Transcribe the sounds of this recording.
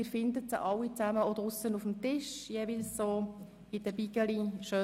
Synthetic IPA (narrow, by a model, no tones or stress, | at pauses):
ɪːfɪndətt͡səɑwːit͡sæməɔd̥əʁʊsənufm̩tɪʃjeːvilssoː | ɪd̥əbiɡəliʃøː